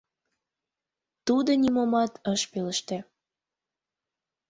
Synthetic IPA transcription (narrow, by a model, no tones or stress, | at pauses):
t̪ud̪onʲimomɑt̪ʰəʃpeləʃt̪e